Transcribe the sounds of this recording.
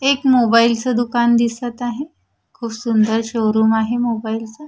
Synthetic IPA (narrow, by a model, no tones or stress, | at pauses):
ekmobailt͡səd̪ukand̪isət̪aɦe | kʰuːbsund̪əɾɕowɾuːmaɦemobailt͡sə